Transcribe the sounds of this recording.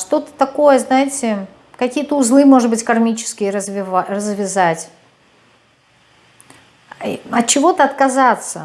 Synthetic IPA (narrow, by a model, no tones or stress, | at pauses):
ʂt̪o̞t̪ə̥t̪ɐko̞jəznajɪtʲɪ | kɐkʲijət̪əʊzlˠɨjmo̞ʐɨd̪̚bɨtʲkɐrmʲit͡ɕɪ̥skʲɪjəzvʲɪvarəzvʲɪzatʲ | ɐt̪̚t͡ɕɪvo̞t̪əɐt̪kɐzat̪sə̰